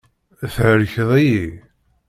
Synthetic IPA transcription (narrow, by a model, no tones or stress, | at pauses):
θʕəɾçəðˤiji